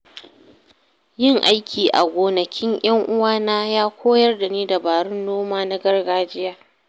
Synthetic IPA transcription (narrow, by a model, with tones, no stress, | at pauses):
jɪ˦˨ŋʔa˦jkʲiː˨ʔa̰˨ɡʷoː˨nɐ˨kʲʰɪ˦ɲʔj̰ɐ˦ŋʔʊ˦waː˦naː˦jaː˦kʷʰoː˦jɐ˦rda˨neː˦da˨baː˨ɽʊ˦nːoː˦maː˦na˦ɡɐ˦rɡaː˦d͡ʒɪ˦jaː˨